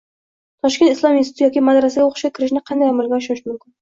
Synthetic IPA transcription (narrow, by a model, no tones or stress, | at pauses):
t̪ʰɒʃkʲe̞nɪslˠɒminsɪt̪jɒkʲimad̪ɾasɪɡʲaoqʰʊ̥ʃɡʲakʲʰɪɾɪʃnɪqʰɑnd̪ajamalɡʲaʊʃɪʃmʊmkʲɪn